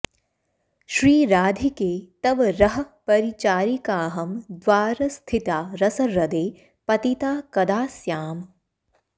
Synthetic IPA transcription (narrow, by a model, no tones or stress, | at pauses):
ʃɾiːɾaːd̪ʱikeːt̪ɐʋɾɐɦɐpɐɾit͡ʃaːɾikaːɦɐmd̪ʋaːɾɐst̪ʰit̪aːɾɐsɐɾɐd̪eː | pɐt̪it̪aːkɐd̪aːsjaːm